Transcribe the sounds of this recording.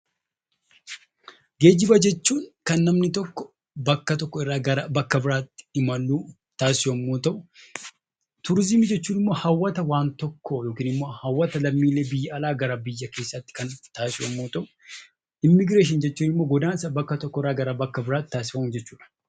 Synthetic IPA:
ɡe̞ːd͡ʒɪbɐd͡ʒɛt͡ʃːuːŋkɐnːɐmnɪt̪ɔkːɔ̥ | bɐkːɐt̪̬ɔkːɔɪrːaːɡɐɾɐbɐkːɐbɪɾaːt̪ːɪ̥ɪmɐlːuː | t̪aːsɪɐmːoːt̪ɐʔʊ | t̪ʊɾɪzɪmɪd͡ʒɛt͡ʃːuːnɪmːo̞ːhɐwːɐt̪ɐwaːnt̪ɔkːɔjo̞ːkiːnɪmːo̞ːhɐwːɐt̪ɐlɐmːiːlːe̞ːbɪjːɐɐlaːɡɐɾɐbɪjːɐke̞ːsːɐt̪ːɪ̥kɐnt̪aːsɪɐmːoːt̪ɐʔʊ̥ | ɪmːɪɡɾe̞ːʃ̬ɪnd͡ʒɛt͡ʃːuːnɪmːo̞ːɡɔd̪aːnsɐbɐkːɐt̪ɔkːɔɪrːaːɡɐɾabɐkːɐbɪɾaːt̪ːɪt̪aːsɪ̥fɐmʊd͡ʒɛt͡ʃːu̥ːᶑɐ̥

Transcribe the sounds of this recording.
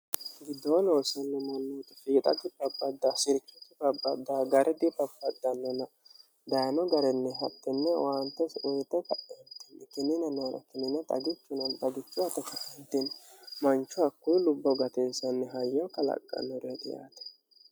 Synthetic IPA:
ɡɪd̪ːoːnoːsɐnːɛmɐnːoːt̪ɐfiːt̪ʼɐ̰d̪ɪbɐbːɐd̪ːasɪɾkːɪt̪ːɪbɐbːɐd̪ːaɡɐɾʔɛd̪ɪbɐbːɐd̪ːɐnːɔnɐ | d̪ɐjɐnɔɡɐɾɛnːɛɦɐt̪ːɛnːɛwaːnt̪ːɛsɔjt̪ɛkɐʔɛt̪ːɛnːɛkɪnːɪnɐnɔnɐ̰kɪnːɪnɐt̪ʼɐ̰ɡɪt͡ʃːʊnɐnt̪ʼɐɡɪt͡ʃːʊɐt̪ɐkɐɪnt̪ːinmɐnt͡ʃːʊɐkːʊjlʊbːɔɡɐt̪ɪnsɐnːɛɦɐjːɐwkɐlɐ̰kʼːɐ̰nɔɾɛt̪ɪ̰ja̰ːt̪ɐ̥

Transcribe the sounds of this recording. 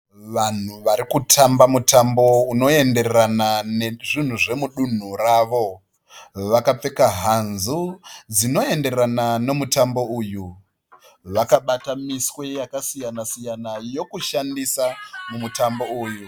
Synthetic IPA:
ʋan̤uʋaɾikutʰambamutambo̞uno̞e̞nde̞reɾananeʐin̤uʐe̞muɗun̤uraʋo̞ | ʋakap͡fe̞kaɦanzud͡zino̞e̞nde̞anano̞mutambo̞uːju | ʋakaɓatamiswe̞jakasijanasijanajo̞kuʃandisamumutambo̞uːju

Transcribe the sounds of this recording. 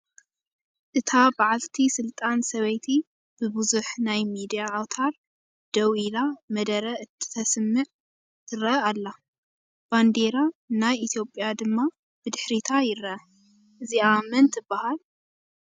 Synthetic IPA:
ʔɨt̪ʰabaʕalt̪ʰisɨlt̪ʼansɐβɐjt̪ʰi | b̥ɨbuzuħnajmid̪ijaːwt̪ʰaɾ | d̪̥ɐwilamɐd̪ɐɾɐʔɨt̪ʰːɨ̥t̪ʰɐsɨmːɨʕ | t̪ʰɨɾɐalːa | b̥and̪eɾanajʔit̪ʰijo̞pʼjad̪ɨmːa | b̥ɨd̪ɨħɾit̪ʰajɪɾɐʔɐ | ʔɨziamɐnt̪ʰɨbːahal

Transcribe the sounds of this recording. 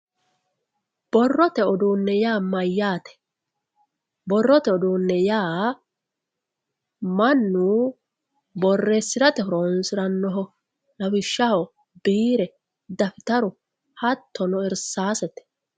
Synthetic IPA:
b̥ɔrːɔt̪ɛɔd̪uːnːɛjaːmɐjːaːt̪ɛ̥ | bɔrːɔt̪ɛɔd̪uːnːɛjaː | mɐnːuː | bɔrːesːɪɾɐt̪ɛhɔɾoːnsɪɾɐnːɔɦɔ | nɐwɪʃːɐhɔ | biːɾɛ | d̪ɐfɪt̪ɐɾʊ | hɐt̪ːɔnɔɪɾsaːsɛt̪ɛ̥

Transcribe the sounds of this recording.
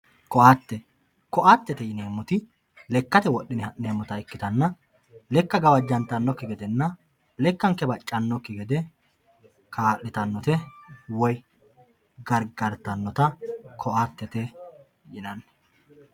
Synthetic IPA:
kɔʔaːt̪ːɛ | kɔʔaːt̪ːɛt̪ɛjɪne̞ːmːʊt̪ɪ | lɛkːɐt̪ɛwɔɗːɪnɪneːmːʊt̪ɐɪkːɪt̪ɐnːɐ | lɛkːɐɡɐwɐd͡ʒːɐnt̪ːɐnːɔkːɪɡɛd̪ɛnːɐ | lɛkːɐŋkɛbɐt͡ʃʼːɐnːɔkːɪɡɛd̪ɛ | kʰaːʔːɪt̪ɐnːɔt̪ɛwɔj | ɡɐɾɡɐɾt̪ɐnːɔt̪ɐkʰɔʔaːt̪ːɛt̪ɛ | jɪnɐnːɐ

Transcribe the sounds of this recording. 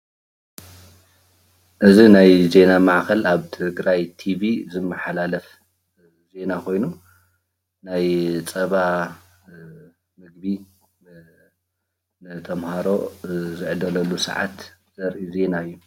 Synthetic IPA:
ʔɨzinajze̞namaʕkɐlaβt̪ʰɨɡɾajt̪ʰiβizɨmːɐħalalɐf | ze̞nakʰo̞jnu | najt͡sʼɐβa | mɨɡbi | nɨt̪ʰɐmhaɾo̞zɨʕd̪ɐlɐlːusɐ̰ʕa̰t̪z̥ɐɾʔize̞naɨjːu

